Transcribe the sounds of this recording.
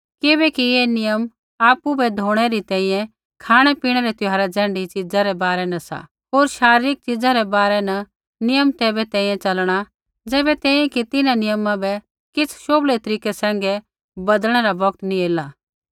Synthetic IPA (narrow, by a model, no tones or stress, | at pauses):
kɪbɛkijeːnɪjəm | aːpubɛd̪ʱoːɽ̃ɛɾit̪ɛ̃ːĩjɛ̃ | kʰaːɽ̃ɛpiːɽ̃ɛɾɛt̪ʊɦaːɾɛd͡zɛ̃ːɳɖit͡ʃɪd͡zaɾɛbaːɾɛnɐsa̰ | ɦoːɾʃaːɾɪɾɪk̚t͡ʃɪd͡zaɾɛbaːɾɛnɐ | nɪjəmt̪ɛːbɛt̪ɛ̃ːĩjɛ̃t͡ʃɐlɽ̃a | d͡zɛːbɛt̪ɛ̃ːĩjɛ̃kit̪ɪnãnɪjəmãbɛ | kɪt͡sʰʃoːblet̪ɐɾiːkɛsɛ̃ːŋɡɛ | bɐd̪əɽ̃ɛɾabɐɡt̪nĩeːla